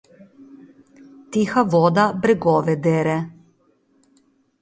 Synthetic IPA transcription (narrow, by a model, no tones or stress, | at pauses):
t̪ixaʋɔd̪abɾɛɡɔʋɛd̪ɛɾɛ